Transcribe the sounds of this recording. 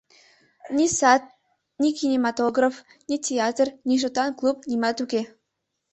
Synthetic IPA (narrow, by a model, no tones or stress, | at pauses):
nʲisɑt̪̚ | nʲikinʲemɑt̪oɡraf | nʲitʲeɑt̪rnʲiʃ̬ot̪ɑnklˠupnʲimɑt̪uke